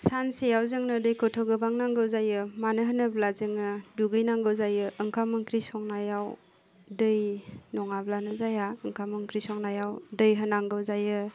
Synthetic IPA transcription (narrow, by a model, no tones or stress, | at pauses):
sansejawzɯŋnɯdɯjkʰɔtʰɔɡɯbaŋnaŋɡɯwzajɯmanɯɦənɯblazɯŋnɯduɡɯjnaŋɡɯwzajɯʔːŋkʰamɯŋkʰɾisɔŋnajaw | dəjnɔŋablanɯzajaəŋkʰamɯŋkɾisɔŋnajawdɯjɦənaŋɡɯwzajɯ